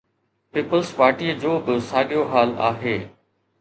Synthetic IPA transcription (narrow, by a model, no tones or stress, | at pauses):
piːpəlspaːɾʈiːəd͡ʑoːbɪsaːɠijoɦaːla̰ːɦeː